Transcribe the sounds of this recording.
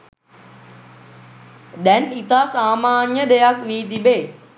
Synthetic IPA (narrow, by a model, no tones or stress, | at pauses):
ɗɛnit̪asaːmaːɲəd̪ejakʋiːt̪̬iɓeː